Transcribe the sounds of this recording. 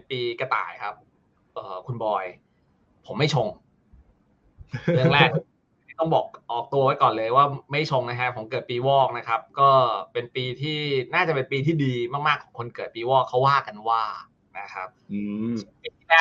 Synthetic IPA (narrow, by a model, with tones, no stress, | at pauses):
piː˧ka˧t̪a̰ː˨˩jkʰa˦˥p̚ | ʔɤː˨˩kʰu˧nbɔː˧j | pʰːo˩˦mːa˥˩jt͡ɕʰo˧ŋ | ɯ˧ŋlɛː˥˩k | a˥˩t̪ɔ˥˩ŋbɔː˨˩k̚ʔɔː˨˩k̚t̪u˧ɐwa˦˥jkɔː˨˩nlɤː˧jwaː˥˩ma˥˩jt͡ɕʰo˧ŋna˦˥kʰa˦˥pʰo˩˦mkɤː˨˩t̪̚piː˧wɔː˥˩k̚na˦˥kʰa˦˥p̚kɔː˥˩pe˧npiː˧t̪ʰiː˥˩naː˥˩t͡ɕa˨˩pe˧npiː˧t̪ʰiː˥˩diː˧maː˥˩k̚maː˥˩kʰɔː˩˦ŋkʰo˧nkɤː˨˩t̪̚piː˧wɔː˥˩kkʰːa˦˥wːaː˥˩ka˧nwaː˥˩ | na˦˥kʰa̰˦˥p̚ː | piː˧iː˥˩lɛː˥˩